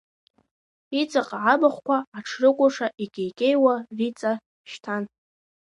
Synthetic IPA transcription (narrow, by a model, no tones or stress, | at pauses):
it͡sʼaqʼaʕabaχʷkʷʰaaʈ͡ʂʰrɨkʷʼʊʂaʔikʲʼejkʲʼejwarit͡sʼa | ʃtʰan